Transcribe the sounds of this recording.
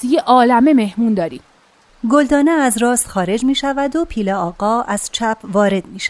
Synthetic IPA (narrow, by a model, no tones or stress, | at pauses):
ijeʔɒːlæmeme̞hmuːnd̪ɒːɾiː | ɡo̞ld̪ɒːneæzrɒːst̪xɒːɾe̞d͡ʒmiːʃævæd̪opʰiːleɒːɡɒːʔæz̥t͡ʃʰæpʰvɒːɾe̞d̪miːʃæ̥